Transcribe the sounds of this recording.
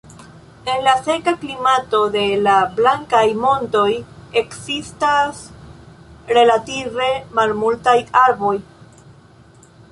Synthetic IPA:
e̞nlase̞kaklimato̞de̞lablaŋkajmo̞nto̞je̞ksistas | ɾe̞lative̞malmultajaɾbo̞j

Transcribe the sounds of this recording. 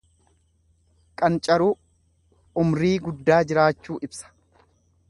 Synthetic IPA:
kʼɐnt͡ʃʼɐɾuː | ʊmɾiːɡʊd̪ːaːd͡ʒɪɾaːt͡ʃːuːʔɪbsɐ̥

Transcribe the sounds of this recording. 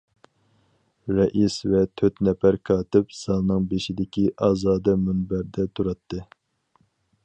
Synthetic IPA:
ɾɛʔisvɛt̪ʰøt̪nɛfæɾkʰɑːt̪ɪpz̥ɑlˠnɨŋbeʃid̪ɪkʲiʔɑːzɑːd̪ɛmunbæɾd̪ɛt̪ʰuɾɑt̪ʰːɨ

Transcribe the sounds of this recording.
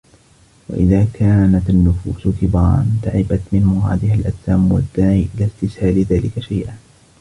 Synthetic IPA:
wa̰ʔɪðaːkʰaːnat̪anːʊfuːsk̪ɪbɑːɾˤɑ̰nt̪aʕɪbat̪mɪnmʊɦa̰ːd̪ɪhalʔat̪ːaːmwad̪ːaːʕiʔɪlaːst̪ɪshaːlɪðaːlɪkaʃajʔa

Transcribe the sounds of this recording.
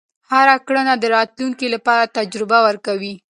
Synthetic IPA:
haɾakɽənad̪əɾɑt̪luŋkilapɑɾat̪ad͡ʒɾɪbawəɾkawi

